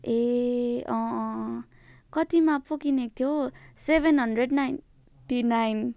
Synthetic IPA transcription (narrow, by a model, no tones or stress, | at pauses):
e | ʌ̃ | kʌt̪imapokinek̚t̪ʰjosebʱenɦʌnɖreɖnajn | ʈinajn